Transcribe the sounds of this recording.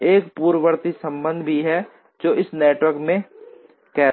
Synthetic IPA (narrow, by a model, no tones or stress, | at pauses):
eːkpuːɾəʋəɾt̪isə̃mbə̃nd̪ʱbʱiɦɛ | d͡ʒoːɪsneːʈwəɾkmẽ | kɛː